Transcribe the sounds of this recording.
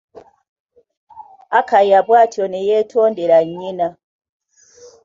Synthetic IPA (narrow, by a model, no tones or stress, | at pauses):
akajabwatɔnɛjɛtɔndeɾaina